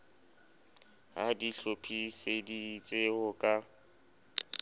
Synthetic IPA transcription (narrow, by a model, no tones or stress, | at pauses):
hadiɬopʰisedit͡sʼɪhʊkʼa